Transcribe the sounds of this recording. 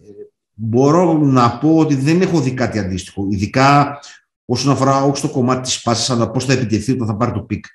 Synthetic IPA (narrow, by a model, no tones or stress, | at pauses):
e | bo̞ɾo̞nɐpo̞ot̪iðe̞ne̞xoðikɐt̪iɐnd̪ist̪i̥xo̞iðikɐ | o̞so̞nɐfo̞ɾɐo̞çist̪o̞ko̞mɐt̪i̥t̪i̥spɐsi̥sɐnɐposθɐepit̪e̞θiot̪ɐ̃nθɐpɐɾit̪opik